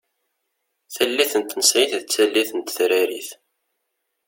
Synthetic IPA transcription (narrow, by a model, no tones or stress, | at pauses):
θælːiθənt̪ːnəsʕiθðət͡sːælːiθənt̪θɾæɾḭθ